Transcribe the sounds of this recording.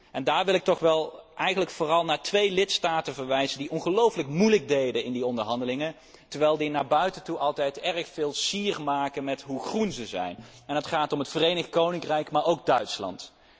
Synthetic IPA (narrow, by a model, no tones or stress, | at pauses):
ɛndaːɹʋɪlˠɪk̚tɔχʋɛlˠʔɛjχənləkfoːrɑlˠnaːɹtʋejlɪtstaːtənvəɹʋɛjzəndiʔɔnχəlowfələkmujləɡ̚dejdənɪndiɔndəɹɦɑndəlɪŋən | təɹʋɛjlˠdinaːɹbœɥtəntuʔɑlˠtɛjtɛrχfɪːlˠsiːrmaːkənmɛtɦuχrunzəzɛ̰jn | ɛnɦətχaːtɔmɦətfərejnəχtkownɪŋkrɛjkmaːɹowɡ̚dœɥtslɑ̰nt